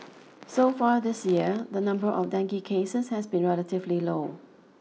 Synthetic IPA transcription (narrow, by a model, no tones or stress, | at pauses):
sofaɹðɪsjiədənãmbəɹʔɔfdɛ̃ŋkikʰesəshɛsbĩnɹɛlətɪvliloʊ